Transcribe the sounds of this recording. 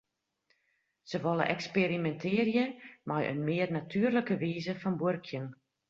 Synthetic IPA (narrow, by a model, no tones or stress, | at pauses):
səʋɔlˠə̰ʔɛkspeɾimɛntʰɪːrjəmajʔə̰nmɪːərnatʰyərləkəʋiːzəfɔnborkʰjən